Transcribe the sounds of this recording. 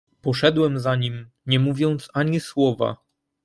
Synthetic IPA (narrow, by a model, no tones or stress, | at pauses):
pɔʂɛd̪wɛmzaɲim | ɲɛmuvʲjɔnt̪saɲiswɔva̰